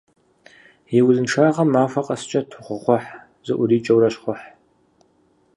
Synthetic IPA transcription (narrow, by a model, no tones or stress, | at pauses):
jɛwzɨnʈ͡ʂʰaːʁɐmːaːfɐqʼɐst͡ʃʼɐtʰʊχʷʊχʷɔħ | zɨʔʷʊriːt͡ʃʼɐwɾɐʃχʷɔħ